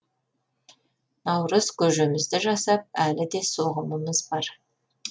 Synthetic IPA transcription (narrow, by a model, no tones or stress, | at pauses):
nɑwɾəzkʲʰɵʒemɪzd̪ɪʒɑsɑp̚ælɪd̪e̞so̞ʁəməməzbɑɾ